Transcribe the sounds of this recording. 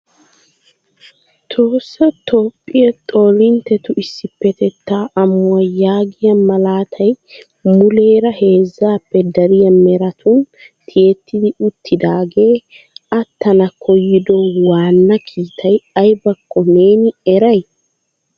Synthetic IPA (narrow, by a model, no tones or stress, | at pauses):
t̪ʰo̞ːsːɐt̪o̞ːpʼːɪjɐt̪ʼo̞ːlɪnt̪ɛt̪ʊɪsːɪpːɛt̪ɛt̪ːaːʔɐmːʊɐjaːɡɪjɐmɐlaːt̪ʰɐj | mʊle̞ːɾɐhe̞ːzːaːpːɛd̪ɐɾɪjɐmɛɾɐt̪ʊn | t̪ʰɪet̪ːɪd̪ɪʊt̪ʰːɪd̪aːɡe̞ː | ʔɐt̪ːɐnɐkʰɔjːɪd̪ɔwaːnːɐkʰiːt̪ʰɐjɐjbɐkːɔneːnɪɛɾɐj